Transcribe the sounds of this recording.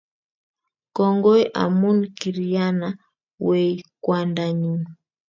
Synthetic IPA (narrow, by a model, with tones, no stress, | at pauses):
kɔ˨ŋɡɔ˦jʔa̰˨mu˦nki˨ɾi˨ja˦na˨ | wɛ˨ikwa˨nda˨ɲu˦n